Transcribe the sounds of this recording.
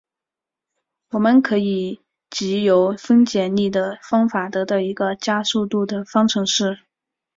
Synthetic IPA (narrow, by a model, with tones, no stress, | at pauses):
wɔ˨˩mə˧nkʰɤ˧˥i˨˩ | t͡ɕi˧˥jo˧˥ʊfə˥nt͡ɕjɛ˨˩nli˥˩d̪ə˩fɑ˥ŋfa˨˩t̪ɤ˧˥t̪ɑ˥˩ʊi˧˥ɡə˧t͡ɕja˥su˥˧t̪u˥˩d̪ə˩fɑ˥ŋʈ͡ʂʰɤ˧˥ŋʂɻ̩˥˩